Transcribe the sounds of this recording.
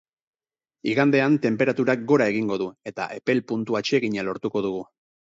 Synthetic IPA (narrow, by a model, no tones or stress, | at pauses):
iɣand̪e̞ant̪e̞mpe̞ɾat̪uɾak̚ɡo̞ɾae̞ɣiŋɡo̞ðue̞t̪a̰ʔe̞pe̞lpunt̪uat͡ʃeːɣiɲalo̞ɾt̪uko̞ð̞uɣ̞u